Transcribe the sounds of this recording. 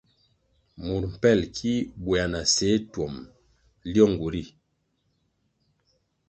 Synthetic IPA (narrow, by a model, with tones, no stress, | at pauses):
mu˨ɾm̩˨pɛ˦˨lkʰi˦bwa˨na˨se˨˦twɔ˨m | ljɔ˦˨ŋɡu˨ɾi˦˨